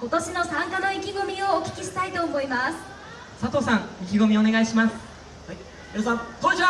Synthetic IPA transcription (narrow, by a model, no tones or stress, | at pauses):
ko̞t̪o̞ɕino̞sãŋkano̞ikʲiɡo̞mʲioːkʲi̥kʲiɕi̥t̪ait̪o̞ːmo̞imasɨ̥ | sat̪o̞ːsãŋikʲiɡo̞mʲio̞ne̞ɡaiɕimasɨ̥ | eɾosãoɲit͡ɕia